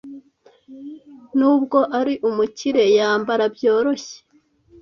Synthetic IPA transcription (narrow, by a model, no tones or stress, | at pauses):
nuːbɡo̞ʔaɾiʔumuciɾe̞jaːmbaɾabjo̞ːɾo̞çe̥